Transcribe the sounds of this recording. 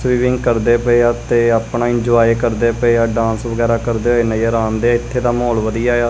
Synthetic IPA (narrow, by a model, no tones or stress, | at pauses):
sʋiːʋɪ̃ŋɡkəɾd̪eːpəeːaːt̪eːaːpɳaːɪ̃ɲd͡ʒʊaːekəɾd̪eːpəeːaːɖãːnsʋəɡɛːɾaːkəɾd̪eːɦoːeːnəaɾãːnd̪eːaːɪt̪ʰːeːd̪aːmoːlʋəd̪ɪjaːaː